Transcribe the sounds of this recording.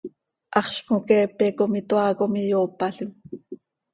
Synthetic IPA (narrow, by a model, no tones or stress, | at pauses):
ʔɑχɬkokɛːpɛkomit̪oɑːkomijoːpɑɬim